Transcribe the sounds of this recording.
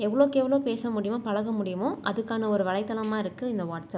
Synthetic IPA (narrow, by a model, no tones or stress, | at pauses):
ɛʋːɐɭoːkeːʋɐɭoːpeːsɐmʊɽɪjõːpɐɻɐɣɐmʊɽɪjɐmʊ̃ʔɐðɯkːaːnɐɔɾɯʋɐɭɐɪt̪ːɐlɐmaːɪɾɯkːɯɪnd̪ɐʋaːʈsɐp